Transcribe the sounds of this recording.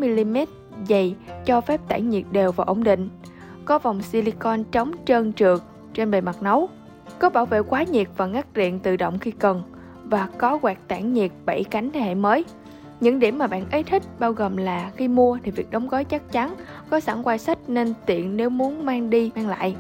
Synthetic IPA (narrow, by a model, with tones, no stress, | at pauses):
mi˧li˧mɛ˦˥t̚ | zə˨˩jt͡ɕɔ˧fɛ˦˥p̚t̪a̰ː˧˩ŋɲi˨˩ət̚ɗe˨˩wvaː˨˩ʔo̰˧wŋ͡mɗḭ̈˧˨ŋ̟ | kɔ˨˦va˨˩wŋ͡msi˧li˧kɔ˧nt͡ɕə˨˦wŋ͡mt͡ɕəː˧nt͡ɕɨ˨˩ək̚ | t͡ɕe˧nɓe˨˩jma˨˩t̚nə˨˦w | kɔ˨˦ɓaː˧˩wvḛ˧˨kwaː˨˦ɲi˨˩k̚vaː˨˩ŋaː˦˥k̚zḭ˧˨ənt̪ɨ̰˧˨˩ɗə̰˧˨wŋ͡mxi˧kə˨˩n | vaː˨˩kɔ˨˦ɣwɛː˨˩k̚t̪a̰ː˧˩ŋɲi˨˩ək̚ɓə˧˩jka˨˦jŋ̟t̪ʰe˧˩hḛ˧˨məː˨˦j | ɲɨ̰˧˥ŋɗi˧˩əmːaː˨˩ɓa̰ː˧˨nʔə˨˦jt̪ʰï˦˥k̟̚ɓaː˧wɣoː˨˩mlaː˨˩xi˧mu˧ət̪ʰi˨˩vi˨˩ək̚ɗə˨˦wŋ͡mɣə˨˦jt͡ɕa˦˥k̚t͡ɕa˨˦n | kɔ˨˦sa̰˧˩ŋkwaː˧jsa˦˥k̚ne˧nt̪ḭ˧˨ənne˨˦wmu˨˦ənmaː˧ŋɗi˧maː˧ŋla̰ː˧˨jʔ